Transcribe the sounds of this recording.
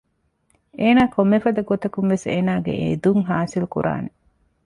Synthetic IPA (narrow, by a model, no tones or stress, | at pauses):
eːnaːkomːefɐd̪ɐɡot̪ɐkuŋʋeseːnaːɡḛʔḛd̪uŋɦaːsilukṵɾʔa̰ːne